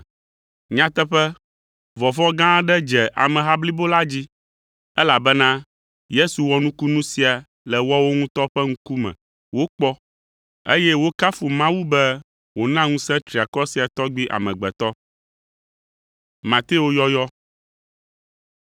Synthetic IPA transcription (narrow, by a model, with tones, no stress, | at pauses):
ɲã˦t̪ɛ˦ɸɛ˦ | vɔ˨vɔ˦ɡã˦ɖɛ˦d͡ʒɛ˨ʔa̰˨mɛ̃˨ɦa˦bli˦bo˦la˦d͡ʑi˦ | ɛ˦la˨bɛ˦nã˦ | je˦su˨wɔ˦nũ˦ku˦nũ˦si˨a˨ | lɛ˨wɔ˦wo˦ŋũ˦t̪ɔ˦ɸɛ˦ŋũ˦ku˦mɛ̰̃˨ | wo˦k͡pɔ˦ | ḛ˦jɛ˦wo˦ka˦fu˨mã˦wu˦bɛ˦ | wo˨nã˦ŋũ˦sɛ̃˦t̪ɾi˨a˨kɔ˦si˨a˨t̪ɔ˦ɡ͡bi˦ʔa̰˨mɛ̰̃˨ɡ͡bɛ˨t̪ɔ˦ | mã˨t̪e˦o˦jɔ˦jɔ˦